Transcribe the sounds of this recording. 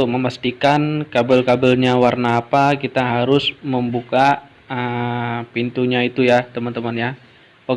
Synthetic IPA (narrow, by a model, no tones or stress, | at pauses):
ʊk̚məmast̪ikankabəlkabəlɲawarnaːpakit̪aɦaɾʊsməmbuka | əpint̪uɲait̪ujat̪əmənt̪əmənja | o